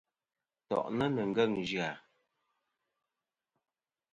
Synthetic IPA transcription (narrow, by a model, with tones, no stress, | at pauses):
tɔ̰˨ʔnə˦nə˨ŋ˨ɡə˦˨ŋ˨d͡ʒɰa˨